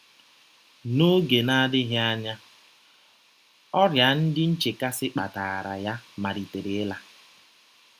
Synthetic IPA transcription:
no˦ɡe˨na˦dɪ˦ɦja˦ɲa˦ | ɔ˦ɾja˨n̩˦dɪ˦n̩˦t͡ʃe˨ka˦sɪ˦k͡pa̰˨ta˨ɾa̰˨ja˦ma˨ɾi˨te˨ɾe˨ɪ˦la˦

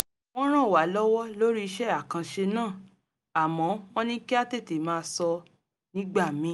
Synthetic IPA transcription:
w̃ɔ̃˦ɾ̃ã˦˨wa˨˦lɔ˦wɔ˦lo˦ɾi˦˧ʃɛ˦a˦˨kã˧ʃe˧nãː˦˨ | a˨mɔ̃˨˦w̃ɔ̃˦nĩ˦ki˦a˦te˦˨te˨mãː˦sɔ˧ | nĩ˦ɡ͡ba˦˨mĩ˨˦

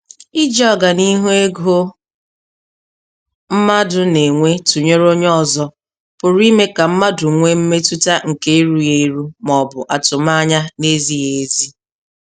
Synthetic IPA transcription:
ɪ˦d͡ʒɔ˦˨ɡa˨ni˦ɦu˦e˦ɡo˦ | m̩˦ma˦dʊ˨ne˨ŋʷe˦tu˨ɲe˦ɾo˦ɲ˦ɔ˨zɔ˦ | pʊ˨ɾi˦me˦ka˨m̩˦ma˦dʊ˨ŋʷe˦m̩˦me˦tu˦ta˦ŋ̩˨ke˦e˦ɾu˨je˦i˦ɾu˦mɔ˨bʊ˨ʔa˨tʊ˨ma˦ɲa˦ne˦zi˦je˨˦zi˦

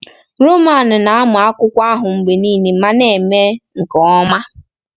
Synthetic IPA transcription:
ɾo˦ma˨nʊ˨na˨a˦mʊ˨a˦kʷʊ˦kʷa˦ɦʊ˨ŋ͡m̩˨ɡ͡be˨niː˦ne˨˦ma˦ne˨me˦ŋ̩˨kɔ˨ɔ˦ma˦

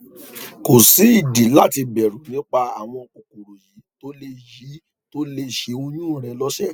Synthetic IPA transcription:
ko˨si˨˦i˦˨di˨˦la˦˨ti˧bɛ˨ɾũ˨˦nĩ˨˦k͡pa˧a˨w̃ɔ̃˧o˨ku˨ɾo˨ji˨˦to˦le˧ji˨˦ | to˦le˧ʃe˧o˧nũ˦˨ɾ̃ɛ̃˧lɔ˦ʃɛ˦˨

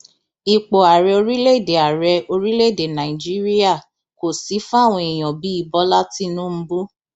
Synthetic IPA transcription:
i˨k͡po˨a˨ɾɛ˧o˧ɾi˦le˦˨de˨a˨ɾɛ˧o˧ɾi˦le˦˨de˨nã˨i˨d͡ʒi˦ɾi˦a˦˨ | ko˨si˨˦fw̃ɔ̃˧i˨j̃ɔ̃˨bi˨˦i˧bɔ˦la˦ti˦nũ˦m̩˦bu˦

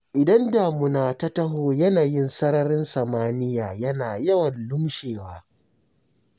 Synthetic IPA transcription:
ʔɪ˨dɐ˦nda˨mʊ˨naː˨ta˦tɐ˦ɦoː˨jɐ˦naː˨jɪ˦nsɐ˦ɾɐ˦ɾɪ˦nsɐ˨maː˦nɪ˦jaː˨jɐ˦naː˨jɐ˦wɐ˨nlʊ˦mʃeː˨waː˦

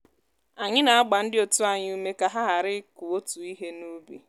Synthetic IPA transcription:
a˨ɲɪ˦na˨a˦ɡ͡ba˨n̩˦dɪ˦o˨tu˦a˨ɲɪ˦u˦me˦ka˨ɦa˦ɦa˨ɾɪ˦ku˨o˦tu˨i˦ɦe˦nu˦bi˦

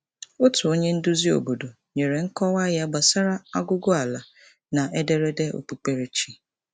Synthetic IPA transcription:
ʊ˦tu˨o˦ɲe˦n̩˦dʊ˦zi˦o̰˨bo˨do˨ | ɲe˨ɾe˨ŋ̩˦kɔ˦wa˦ɣa˦ɡ͡ba˨sa˦ɾa˦a˦ɡʊ˦ɡʊ˦a˨la˨ | na˨ʔe˦de˦ɾe˦de˦o̰˨pu˨˦k͡pe˦ɾe˦t͡ʃi˦

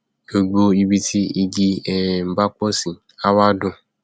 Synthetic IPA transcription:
ɡo˧ɡ͡bo˧i˧bi˧tʰi˦i˧d͡ʒi˧ɛ˨m̩˨ba˦k͡pɔ˦sĩ˨ | a˦wa˦dʊ̃˧˨

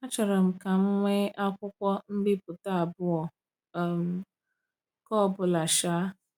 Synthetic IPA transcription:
a˦t͡ʃɔ˨ɾɔ˨m̩˨ka˨m̩˦ŋʷe˦a˦kʷʊ˦kʷɔ˦m̩˦bɪ˦pʊ˨ta˦a˨bʊ˦ɔ˨ | m̩˨ | kɔ˦˨bʊ˨la˨ʃa˦

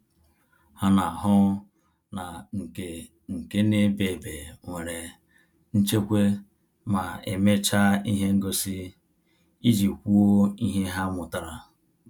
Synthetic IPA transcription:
ha˦na˨ɦʊ˦ | na˨ŋ̩˨ke˨ | ŋ̩˨ke˦ne˦be˨be˨ŋʷe˨ɾe˨ | n̩˦t͡ʃe˦kʷe˦ | ma˨ḛ˨me˦t͡ʃa˦i˦ɦe˦ŋ̩˦ɡo˦si˦ | i˦d͡ʒi˨kʷu˦o˦i˦ɦe˦ɦa˦mʊ˨ta˦ɾa˨

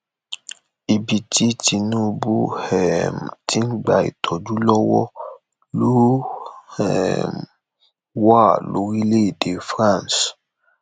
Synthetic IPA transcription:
i˨bi˨ti˦ti˧nũ˦bu˦hɛ˨m˨tʰi˨˦n̩˦ɡ͡ba˨ḭ˨tʰɔ˨d͡ʒu˨˦lɔ˦wɔ˦ | lo˦hɛ̰˦˨m | wa˦˨lo˨˦ɾi˦le˦˨de˨˦fɾã˦˨ns

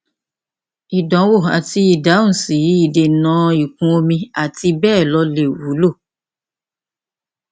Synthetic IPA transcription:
i˨dɔ̃˨˦wo˦˨a̰˨ti˧i˨dã˨˦˨si˨˦˨i˦˨de˨nã˨˦i˨kũ˧o˧mĩ˧a˨ti˧bɛː˦˨lɔ˧le˦˨wu˨˦lo˦˨

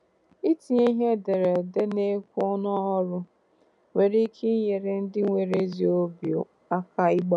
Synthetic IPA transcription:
i˦ti˨i˦ɦe˦de˨ɾe˨de˦ne˦kʷu˦ɔ˦n˦ɔ˦ɦɔ˦ɾʊ˦ | we˨ɾi˦kʰe˦je˨ɾe˨n̩˦dɪ˦ŋʷe˨ɾe˦zi˦o˦bjo̰˨ | a˦ka˦i˦ɡ͡bɔ˦

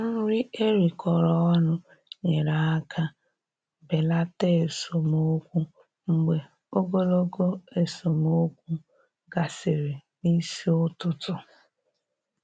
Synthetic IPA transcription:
a˦ɾɪ˦ʔe˦ɾi˨kʰɔ˨ɾɔ˦ɔ˦nʊ˦ | ɲe˨ɾa˨a˦kʰa˦ | be˨la˦te˦e˨so˨mo˦kʷu˦ | ŋ͡m̩˦ɡ͡be˨ | o˦ɡo˦lo˦ɡo˦e˨so˨mo˦kʷu˦ | ɡa˨sɪ˨ɾɪ˨ni˦si˦ʊ˦tʊ˦tʊ˨

